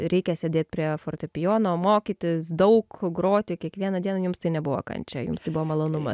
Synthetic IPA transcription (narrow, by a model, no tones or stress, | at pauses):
ɾʲɛɪkʲɛsʲeːd̪ʲeːt̪ʲpʲɾʲiɛfoːrt̪ʲopʲɪjoːnoːmoːkʲiːt̪ʲɪsd̪ɐʊkɡɾoːt̪ʲɪkʲiɛkʋʲiɛnɐdʲiɛnɐjʊmst̪ɐɪnʲɛbʊʋo̰ːkɐ̰nʲt͡ʃʲɛjʊ̰mst̪ɐɪbʊʋoːmɐlˠoːnʊmɐ